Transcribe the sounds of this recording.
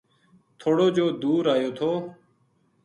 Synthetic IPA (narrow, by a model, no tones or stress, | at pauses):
t̪ʰoːɽoːd͡ʒoːd̪uːɾaːjoːt̪ʰoː